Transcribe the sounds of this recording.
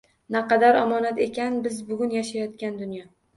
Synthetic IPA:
naqɑd̪aɾɒmɒnat̪e̞kʲanbɪzbʊɡʲʊnjaʃajɒt̪kʲand̪ʊnjɒ

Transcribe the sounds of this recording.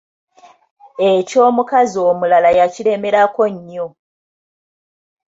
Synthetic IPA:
e̞co̞ːmukazio̞ːmulalajacile̞me̞ɾako̞ɲːo̞

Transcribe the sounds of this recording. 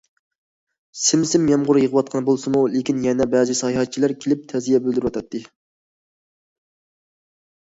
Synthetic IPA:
sɪmsɪmjɛmʁʊɾjəʁəwɑt̪̚qʰɑnbolˠsɨmulekʲinjɛnɛbɛzɨsɑjhɑt̪̚t͡ʃʰilæɾkʲʰelɪp̚t̪ʰɛzijɛbøld̪yɾwɑt̪ʰɑt̪ːɨ

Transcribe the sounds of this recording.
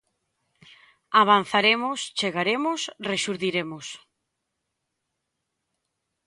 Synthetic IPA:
aβ̞an̟θaɾemost͡ʃeɣaɾemosreʃuɾðiɾemos

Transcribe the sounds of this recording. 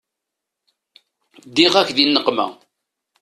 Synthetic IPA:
d̪iʁækðinːəqmæ̰

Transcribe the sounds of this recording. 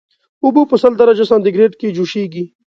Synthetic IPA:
ubupəsɐld̪ɐɾɐd͡ʒɐsãːnd̪iɡɾeːɖked͡ʒuʃeːɡi

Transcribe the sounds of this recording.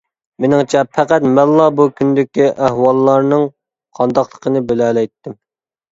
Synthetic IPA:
menɪŋt͡ʃʰɛpʰɛqæt̪mɛnllˠɑbukʲʰynd̪ɪkʲiʔæhwɑlˠːɑɾnɨŋ | qʰɑnd̪ɑqlˠəqʰənɨbelɛlɛjt̪ʰːɪm

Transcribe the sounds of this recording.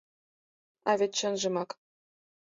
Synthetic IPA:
ɑvʲet̪ɕɤ̆nʒɤ̆mɑk

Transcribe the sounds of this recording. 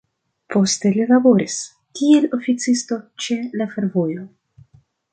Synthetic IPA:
po̞ste̞lilabo̞ɾis | kie̞lofit͡sisto̞t͡ʃe̞lafe̞ɾvo̞jo

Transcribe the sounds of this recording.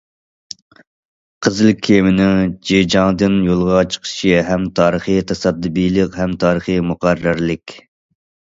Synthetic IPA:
qʰəzɨlkʲʰːemɪnɪŋd͡ʒed͡ʒɑŋd̪ɨnjolˠʁɑt͡ʃʰə̥qʰə̥ʃiɦɛmt̪ʰɑːɾəχit̪ʰɑsɑd̪ːɨbilˠɨqhɛmt̪ʰɑːɾəχimʊqɑɾːɑɾlɪkʲ

